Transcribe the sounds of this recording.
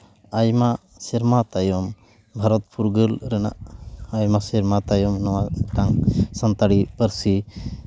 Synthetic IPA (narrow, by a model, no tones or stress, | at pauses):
ajma | sɛɾmat̪ajɔm | bʱaɾɔt̪puɾɡəlɾɛna̰ʔajmasiɾmat̪ajɔmnɔwaʈaŋsɐnt̪aɽipəɾsi